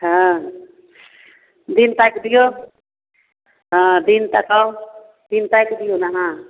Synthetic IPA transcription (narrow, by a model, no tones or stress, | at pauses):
ɦã | d̪int̪akd̪ijo | ɦãd̪int̪akaw | d̪̥int̪akd̪ijonaɦã